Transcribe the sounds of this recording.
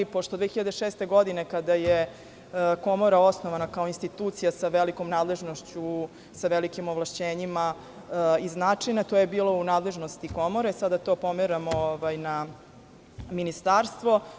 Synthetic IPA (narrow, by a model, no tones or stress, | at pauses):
ipoʃt̪od̪ʋexiʎad̪eʃeːst̪e̞ɡo̞d̪ine̞kad̪aje | ko̞mo̞ɾaosnoʋanakaoinst̪it̪uːt̪sijasaʋeliko̞mnaːd̪le̞ʒnoʃt͡ɕu | saʋelikimoʋlˠaʃt͡ɕeːɲima | iznaːt͡ʂijnat̪o̞ːjebiːlo̞unaːd̪le̞ʒnost̪iko̞moɾaisad̪at̪o̞pomeɾamooʋajna | minist̪aːɾst̪ʋo̞